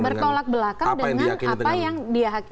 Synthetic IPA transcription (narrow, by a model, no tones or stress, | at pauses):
bərt̪olak̚bəlakadəŋanapajaŋdiaɦak